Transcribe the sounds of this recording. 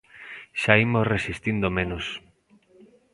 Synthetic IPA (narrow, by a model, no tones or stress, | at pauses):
ʃaimosresist̪ind̪omenos